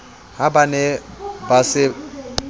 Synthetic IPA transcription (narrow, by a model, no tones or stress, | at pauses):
ɦabanɛbasɪ